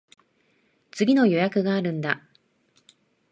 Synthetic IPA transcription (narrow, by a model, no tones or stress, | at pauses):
t͡sɨɡʲino̞jo̞jakɯ̟ɡaːɾɯ̟̃nd̪a